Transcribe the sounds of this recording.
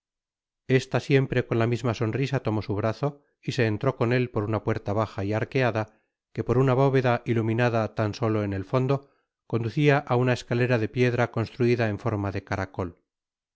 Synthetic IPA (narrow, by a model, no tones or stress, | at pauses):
e̞st̪asje̞mpɾe̞ko̞nlamizmaso̞nrisat̪o̞mo̞suβ̞ɾaθo̞ | ise̞ːnt̪ɾo̞ko̞ne̞lpo̞ɾunapwe̞ɾt̪aβ̞axaiaɾke̞aða | ke̞po̞ɾunaβo̞βe̞ðaʔilumĩnaðat̪anso̞lo̞ene̞lfo̞nd̪o̞ | ko̞nd̪uθiaʔaunae̞skale̞ɾaðe̞pje̞ðɾako̞nst̪ɾuiðaeɱfo̞ɾmaðe̞kaɾako̞l